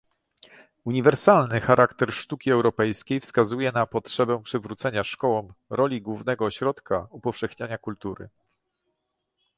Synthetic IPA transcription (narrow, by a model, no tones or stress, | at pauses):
uɲivɛɾsalnɘxaɾʔakt̪ɛɾʂt̪ukʲiɛwɾɔpɛjskʲejfskazujɛnapɔtʂɛbɛpʂɘvɾut̪sɛɲaʂkɔwɔmɾɔlʲiɡwuvnɛɡɔːɕɾɔt̪kaupɔfʂɛxɲaɲakult̪uɾɘ̰